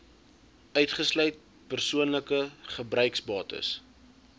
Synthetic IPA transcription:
œɥtχəslœɥt̚ | pərsuənləkəχəbrœɥksbɑːtə̰s

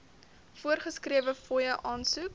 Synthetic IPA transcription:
fuərχəskriəvəfɔjəʔɑːnsuk

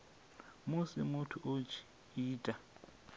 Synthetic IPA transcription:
mʊsɪmʊtʰʊʔot͡ʃʰi̥ | iːtʼa

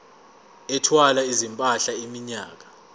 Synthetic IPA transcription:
ɛtʰwalaizimpʼaɬaimiɲaːk̬ḁ

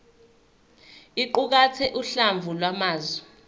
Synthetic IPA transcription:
iǃuk̬at͡sʰɛʔuɬaɱvʱulwamaːzwɛ

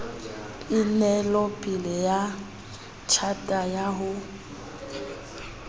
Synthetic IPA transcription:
ɪnɛlɔpʼilɛja | t͡ʃʰatʼajaɦʊ

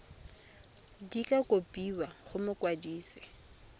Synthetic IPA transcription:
dikʼakʼopʼiwaχʊmʊkʼwadiːsɪ̥

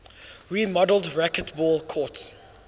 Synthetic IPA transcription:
ɹimɔdəl̩ˠdɹakətbɔːlˠkʰɔts

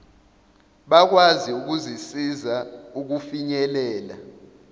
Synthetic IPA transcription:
ɓak̬waziuk̬uzisizauk̬ufiɲɛlɛːla

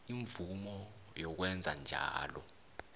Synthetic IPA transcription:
iɱvumɔ | jɔk̬wɛnd͡zʱa̰nd͡ʒʱa̰ːlɔ̰

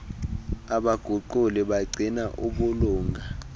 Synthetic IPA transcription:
aɓaɡ̥ʱuǃuliɓaɡ͡ǀʱinaʔuɓuluːŋɡʱa

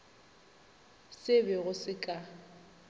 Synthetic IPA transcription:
sɪbɪɣʊsɪkʼa

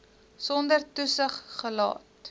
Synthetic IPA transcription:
sɔndərtusəχːəlɑ̰ːt

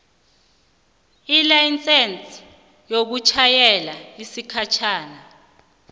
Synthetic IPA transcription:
ilajnt͡sʼɛnt͡sʰʼ | jok̬ut͡ʃʰajɛlaisikʰat͡ʃʰaːna

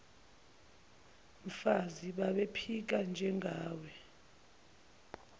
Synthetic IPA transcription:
ɱfaziɓaɓepʰik̬and͡ʒʱɛŋɡʱaːwɛ

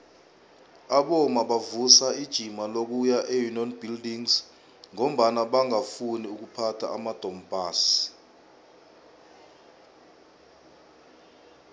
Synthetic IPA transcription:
aɓɔmaɓavusaid̥ʒ̥ʱimalok̬ujaʔejunɔnbʱildiŋz | ŋom̩ɓanaɓaŋafuniuk̬upʰatʰa̰ʔamad̥ʱɔmb̥ʱaːs

